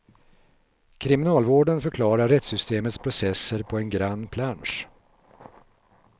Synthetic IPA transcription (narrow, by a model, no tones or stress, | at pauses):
kʰɾɪmɪnɑːlvoːɖənfœɾkʰlɑːɾaɾːɛt̪sʏst̪eːmət̪spʰɾʊsɛsːəɾpʰɔɛnɡɾanːpʰlanʂ